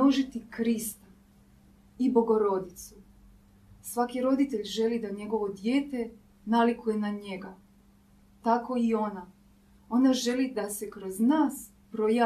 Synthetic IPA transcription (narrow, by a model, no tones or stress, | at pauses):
oʒit̪ikɾist̪a | ibo̞ɡo̞ɾo̞d̪it̪su | sʋakiɾo̞d̪it̪e̞ʎʒe̞lid̪aɲe̞ɡo̞ʋo̞d̪je̞ːt̪e̞ | nalikuje̞naɲe̞ɡa | t̪ako̞io̞na | o̞naʒe̞lid̪ase̞kɾo̞znaːs | pɾoja